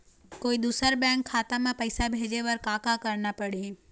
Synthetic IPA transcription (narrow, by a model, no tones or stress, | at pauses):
koːid̪uːsəɾbɛ̃ːŋkʰːaːt̪ãmãpɐɪsabʱeːd͡ʒeʋɐɾkaːkakɐɾnapɐɽĩ